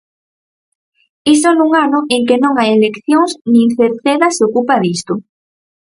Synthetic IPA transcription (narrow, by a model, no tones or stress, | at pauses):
isonuŋanʊʔeŋkenõŋajelekθjoŋsnĩŋθeɾθeðɐseokupaðist̪ʊ